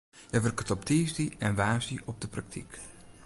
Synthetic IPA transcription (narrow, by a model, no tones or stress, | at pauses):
jəʋərkətɔp̚tiːsdiɛnʋaːsiʔɔp̚dəprak̚tʰḭk